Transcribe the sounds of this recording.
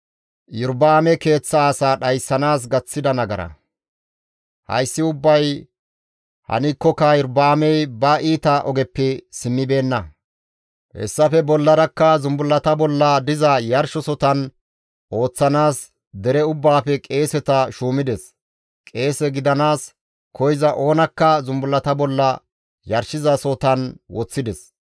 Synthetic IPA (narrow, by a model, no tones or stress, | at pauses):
jʊɾbaːmɛke̞ːt͡sːɐaːsaːɗɐjsːɐnaːs̬ɡɐt͡sːɪd̪ɐnɐɡɐɾɐ̰ | hɐ̰jsːɪʊbːɐj | hɐ̰nɪkːɔkːɐjʊɾbaːmɛjbɐʔiːt̪ɐʔɔɡɛpːɪsɪmːɪbe̞ːnːɐ | hɛ̰sːɐfɛbɔlːɐɾɐkːɐzʊmbʊlːɐt̪ɐbɔlːɐd̪ɪzɐjɐɾʃɔsɔt̪ɐn | o̞ːt͡sːɐnaːs | d̪ɛɾɛʊbːaːfɛkʼe̞ːsɛt̪ɐʃuːmɪd̪ɛs | kʼe̞ːsɛɡɪd̪ɐnaːs | kʰɔjzɐʔo̞ːnɐkːɐzʊmbʊlːɐt̪ɐbɔlːɐ | jɐɾʃɪzɐsɔt̪ɐnwɔt͡sːɪd̪ɛs